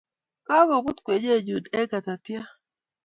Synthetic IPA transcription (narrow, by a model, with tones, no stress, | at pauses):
ka˦ɡɔ˨bu˦t̪kwe˨d͡ʒe˦˨d͡ʒu˨dɛ˦ɡa˨t̪a˨t̪ja˦